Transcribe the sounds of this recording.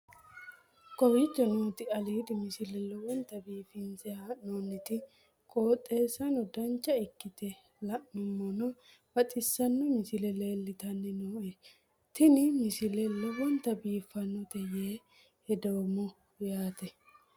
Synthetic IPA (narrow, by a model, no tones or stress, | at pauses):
kʼɔɾit͡ʃːɔnoːt̪ɪɐliːd̪ɪmɪsɪlɛlːɔwɔnt̪ːɐbiːfɪnzɛanonːɪt̪ɪ | kʼoːt̪ʼːe̞ːsɐnɔd̪ɐnt͡ʃːɐɪkːɪt̪ɛ | lɐʔːʊmːɔnɔ | bɐt̪ʼɪsːɐnːɔmɪsɪlɛle̞ːlːɪt̪ɐnːɛnoːʔe | t̪ɪnɪmɪsɪlɛlːɛwɔnt̪ːɐbiːfːɐnːɔt̪ɛjeː | hɛd̪oːmʊ | jaːt̪ɛ